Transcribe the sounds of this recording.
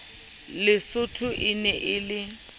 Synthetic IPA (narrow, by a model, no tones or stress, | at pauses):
lɪsʊtʰʊʔɪnɛʔɪlɪ